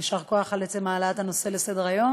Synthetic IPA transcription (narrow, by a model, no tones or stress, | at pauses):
iʃaʁko̞aχalet͡semaːlat̪hano̞se̞lesed̪eʁajo̞